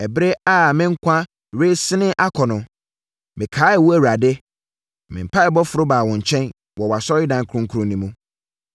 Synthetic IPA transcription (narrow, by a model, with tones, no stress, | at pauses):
ɛ˨bɾe˦a˦˨mɪ̃˦ŋ̩˦kʷʰã˦˨ | ɾe˦sɪ˦nɪ̃˦ʔa˦kʰɔ˨nʊ̃˨ | mɪ̃˨kʰaː˨˦ɛ˨wu˦æ˨wa˨dɪ˦ | mɪ̰̃˨m̩˨pʰa˦ɛ˨bɔ˦fʊ˨ɾʊ˦baː˨wɔ̃˨ɲ˨t͡ɕʰɛ̃˦n | wɔ˨wa˨sɔ˦ɪ˦dã˨ŋ˦kʰʊ˨ɾʊ̃˦ŋ̩˦kʰu˦ɾʊ̃˨nĩ˨mũ˦